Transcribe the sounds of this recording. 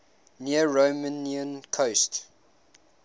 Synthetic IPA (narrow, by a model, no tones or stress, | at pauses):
niəɹoməniə̃nkʰost